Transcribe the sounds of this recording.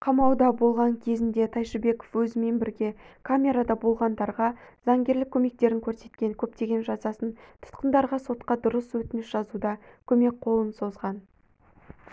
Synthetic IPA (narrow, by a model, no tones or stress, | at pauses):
qʰɑmɑwd̪ɑbo̞lˠʁɑŋkʲʰe̞zɪnd̪e̞t̪ʰɑjʃɪbe̞ko̞̥fwɵzɪme̞nbɪɾɡʲe̞kʰamʲe̞ɾad̪ɑbo̞lˠʁɑnd̪ɑɾʁɑzɑŋɡʲe̞ɾlɪkʲʰːɵme̞k̚t̪e̞ɾɪŋkʲʰɵɾse̞̥t̪kʲe̞ŋkʲʰɵpt̪e̞ɡʲe̞nʒɑzɑsənt̪ʰʊ̥t̪qənd̪ɑɾʁɑso̞t̪qɑd̪ʊɾəswɵt̪ɪnɪʃʒ̥ɑzud̪ɑkʲʰɵme̞k̚qʰo̞lˠənso̞zʁɑn